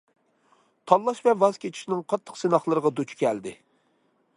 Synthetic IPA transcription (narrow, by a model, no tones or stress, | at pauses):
t̪ʰɑlːˠɑʃvɛvɑz̥kʲet͡ʃʰi̥ʃnɪŋqʰɑt̪ʰːə̥qsenɑχlˠəɾəʁɑd̪ut͡ʃʰkʲʰɛld̪ɪ